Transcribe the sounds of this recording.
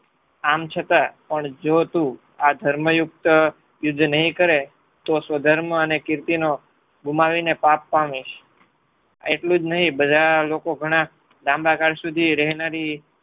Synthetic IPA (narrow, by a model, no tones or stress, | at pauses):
amt͡ʃʰət̪apəɳd͡ʒot̪ũ | ad̪ʱəɾməjʊkt̪ | jʊd̪nəɦĩkəɾe | t̪osʋəd̪ʱəɾmənekɪɾt̪ino | ɡumaʋinepapːaʋĩʃ | a̰eʈlũd͡ʒnəɦĩbəd̪ʱalokoɡʱəɽ̃a | d̪ãmbakaɽsud̪ʱiɾɛɦnaɾi